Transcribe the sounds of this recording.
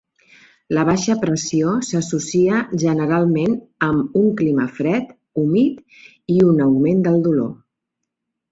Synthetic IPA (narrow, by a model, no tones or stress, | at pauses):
ləβ̞aʃəpɾəsiosəsusiəʒənəɾalˠmenəmuŋkliməfɾɛt̪ | umit̪ | iunəwmend̪əlˠd̪ulo̰